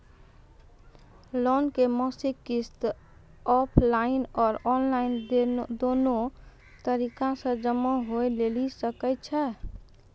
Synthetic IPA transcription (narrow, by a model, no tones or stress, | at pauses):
lɔnkemɔsikːist̪ | ɔpʰlaɪnɔːɾɔnlaind̪ono | t̪əɾikãsə̃d͡ʒəmaɦojlelisəkɛt͡ʃʰɛ